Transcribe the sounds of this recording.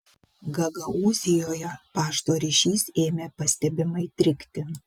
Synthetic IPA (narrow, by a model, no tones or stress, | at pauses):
ɡɐɡɐuːzʲɪjoːjɛpɑːʃt̪oːɾʲɪʃʲiːseːmʲeːpɐsʲt̪ʲɛbʲɪmɐɪt̪ʲɾʲɪkʲt̪ʲɪ